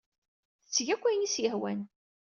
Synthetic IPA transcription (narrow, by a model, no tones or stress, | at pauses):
θət͡sːʝækʷːænisjəhwæn